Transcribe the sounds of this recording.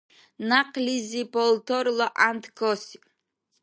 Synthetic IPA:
naqʼlizibɔlt̪ʰɔɾlɔʔant̪ʰɡɔsi̥

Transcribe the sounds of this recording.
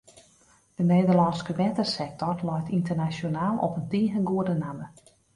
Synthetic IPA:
dəneːdərlɔnskəʋɛtərsɛk̚tɔrlɔjtintərnasjonaːlˠɔ̰pəntiəɣənɡuədənamə

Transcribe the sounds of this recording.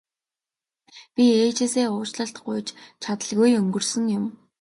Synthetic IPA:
pʲieːt͡ɕeːseːʊːt͡ɕɮə̆ɬt̪ɢʊjt͡ɕt͡ɕʰat̪ə̆ɮɣujɵŋɡɵ̆rsɵ̆ŋjʊm

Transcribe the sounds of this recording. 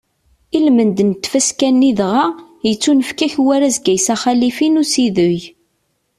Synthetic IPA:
ilmənd̪nt̪ːfæskænːiðʁa | jət͡sːunəfkæçwæɾæzɡæjsæχælifinusiðʊj

